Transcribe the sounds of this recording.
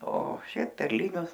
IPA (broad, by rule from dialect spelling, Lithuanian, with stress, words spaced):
oː ˈʃʲɛɪp pʲɛrʲˈlʲɪnʲʊs